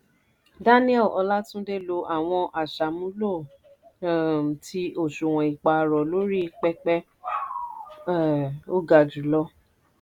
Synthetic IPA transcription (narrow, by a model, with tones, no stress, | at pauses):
da˦nĩ˦ɛ˦˨ʔɔ˧la˦tũ˦de˦˨lo˧ʔa˨w̃ɔ̃˧ʔa˨ʃa˨mũ˨˦lo˦˨ | tʰi˧˦o˦˨ʃo˨w̃ɔ̃˨i˨k͡pa˧˨ɾɔ˨lo˨˦ɾi˦˧k͡pɛ˦k͡pɛ˦˨ | o˦ɡa˨d͡ʒu˨˦lɔ˧˦